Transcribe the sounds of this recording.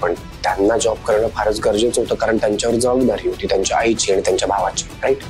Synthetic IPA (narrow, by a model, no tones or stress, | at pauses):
pəɳ | t̪janːad͡ʑɔb̚kəɾɳəfʰaɾət͡sɡəɾd͡ʑet͡sɦot̪əkaɾəɳt̪jaɲt͡ɕaʋəɾd͡zəʋəɡd̪aɾiɦot̪it̪jaɲt͡ɕaait͡ɕʰiaɽit̪jaɲt͡ɕjabʱaʋat͡ɕʰi̥ɾaiʈ